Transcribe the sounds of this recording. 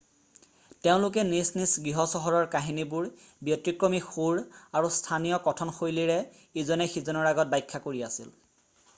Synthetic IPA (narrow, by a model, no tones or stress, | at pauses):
teʊ̃lʊk̬ɛnisnisɡɹiɦɔsɔɦɔɹɔɹkaɦinibʊɹ | bjɔtɹikɹomixuɹaɹustʰanijɔkɔtʰɔnxojliɹɛ | izɔnɛxizɔnɔɹaɡɔt̚bajkʰːakoɹiasḭl